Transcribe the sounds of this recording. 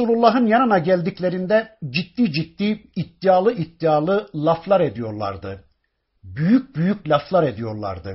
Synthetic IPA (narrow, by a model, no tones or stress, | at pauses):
suːlʲˠulˠːaɦɯnjanɯnaɟælʲd̪iclʲe̞ɾind̪ɛd͡ʒit̪ːiːd͡ʒit̪ːiːt̪ːijaːlˠɯʔit̪ːijaːlˠɯlˠaflˠaɾe̞d̪ijo̞ɾlˠa̰ɾd̪ɯ | byjyc̚byjyc̚lʲaflˠaɾe̞d̪ijo̞ɾlˠa̰ɾd̪ɯ